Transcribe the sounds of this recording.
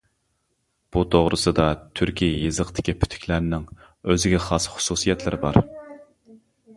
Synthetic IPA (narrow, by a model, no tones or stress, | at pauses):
b̥ut̪ʰoʁɾɨsɨd̪ɑt̪ʰyɾkʲʰijɨzəqt̪ʰɪ̥kʲipʰy̥t̪ʰy̥kʲlæɾnɪŋ | øzɪɡʲɛχɑsχʊ̥susijɛt̪ʰlɪɾɪbɑ̰ɾ